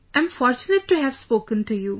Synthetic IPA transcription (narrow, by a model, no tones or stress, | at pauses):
ɛ̃mfɔːɾt͡ʃʊnəʈːuɦæʋspoːkə̃nʈujuː